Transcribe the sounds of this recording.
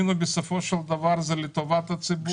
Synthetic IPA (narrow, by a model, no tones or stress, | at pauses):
nɔbisɛfɔʃalˠd̪avaɾzalit̪ɔvat̪at̪sibu